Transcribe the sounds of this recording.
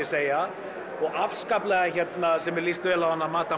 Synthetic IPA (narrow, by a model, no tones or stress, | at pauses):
ɪ̥seːja | ɔɣafskaplɛɣaçɛt̪nasɛmɛɾlist̪vɛːlawhanːamaːt̪a